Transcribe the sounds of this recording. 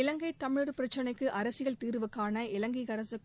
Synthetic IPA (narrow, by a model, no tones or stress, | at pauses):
ɪlɐŋɡɐɪt̪ːɐmɪɻɯɾɯpɪɾɐt͡ʃːɐnɐɪkːɯʔɐɾɐsɯɣɐɭt̪iːɾʋɯkːaːnɐɪlɐŋɡiɣɐɾɐsɯ